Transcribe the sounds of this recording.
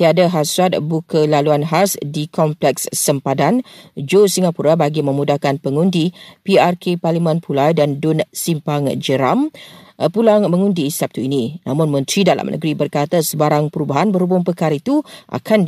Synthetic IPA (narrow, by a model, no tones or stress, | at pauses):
t̪iadaɦaswat̪̚bukʰəlaluanɦasdikʰɔmplɛksːəmpadand͡ʒosiŋapuɾabaɡimə̃mudahkanpəŋundipiarkʰeparlimə̃npʰulajdandʊnsimpaŋd͡ʒəɾampulaŋmə̃ŋundiːsap̚t̪uinĩna̰mʊ̃nmə̃nt̪ɾidala̰mnʔə̰ɡɾibərkat̪asəbaɾaŋpəɾubaɦanbəɾhubʊmpəkaɾait̪uʔa̰kʰan